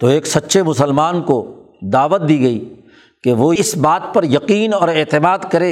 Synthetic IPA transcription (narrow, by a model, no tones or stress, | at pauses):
t̪oeːksɐtːʃʰemʊsəlmaːnko | d̪aːʋət̪̚d̪iːɡɐi | keʋoːɪsbaːt̪̚pɐɾjɐqiːnɔːɾeːt̪ɪmaːd̪kɐɾeː